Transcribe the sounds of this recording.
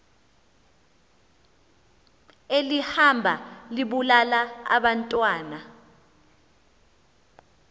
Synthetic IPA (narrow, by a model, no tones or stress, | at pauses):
elihambʱaliɓulalaa̰ɓantʼwaːna